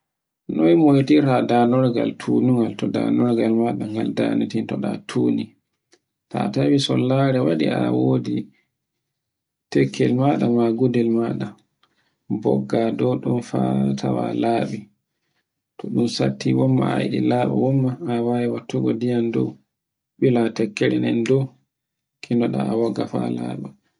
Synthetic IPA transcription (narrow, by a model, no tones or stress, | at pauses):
nɔjmojtiɾadanɔɾɡa̰ltʰunuŋɡaltɔda̰nɔɾɡalmaɗaŋɡalda̰nitintɔɗatʰuːni | tatawisɔlːaɾɛwaɗiawodi | tɛkʰːɛlmaɗamaɡudɛlmaɗa | bɔɡːadɔɗumfatʰawalaːɓi | tʰɔɗumsatʰːiwɔmːaajɗilaːɓa̰wɔmːaːwawɛwatːuɡɔdijandɔw | ɓilatɛkːeɾinɛndɔ | kʰʼindɔɗaawɔɡafa̰la̰ɓɛ